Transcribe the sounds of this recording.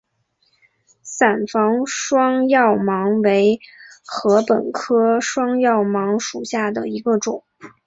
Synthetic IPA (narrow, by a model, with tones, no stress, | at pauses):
sa˨˩nfɑ˧˥ŋʂwɑ˥ŋjɑ˥˩ʊmɑ˧˥ŋwe˧˥ɪxɤ˧˥pə˨˩nkʰɤ˥ʂwɑ˥ŋjɑ˥˩ʊmɑ˧˥ŋʂu˨˩ɕja˥˩d̪ə˩i˧˥ɡə˧ʈ͡ʂʊ˨˩˦ŋ